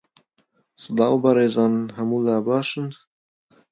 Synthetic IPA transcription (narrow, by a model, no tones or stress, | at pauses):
sɨlɑːwbaɾeːzɑːnnɦɐmuːlaːbɑːʃɨn